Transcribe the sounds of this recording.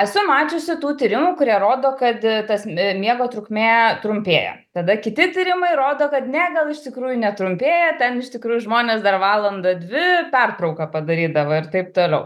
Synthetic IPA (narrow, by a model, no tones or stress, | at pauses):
ɛsʊmɑːt͡ʃʲʊsʲɪt̪uːt̪ʲiːɾʲɪmuːkʊɾʲiɛɾoːd̪oːkɐt̪t̪ɐsmʲiɛɡoːt̪ɾʊkʲmʲeːt̪ɾʊmʲpʲeːjɛ̰ | t̪ɐd̪ɐkʲɪt̪ʲɪt̪ʲiːɾʲɪmɐɪɾoːd̪oːkɐt̪nʲæɡɐlˠɪʃt̪ʲɪkɾuːjʊnʲɛt̪ɾʊmʲpʲeːjɛtʲɛnɪʃt̪ʲɪkɾuːjʊʒmoːnʲeːsd̪ɐrʋɑːlˠɐnd̪ɐd̪ʲʋʲɪpʲɛrt̪ɾɐʊkɐpɐd̪ɐɾʲiːd̪ɐʋɐɪɾt̪ɐɪp̚t̪oːlʲɛʊ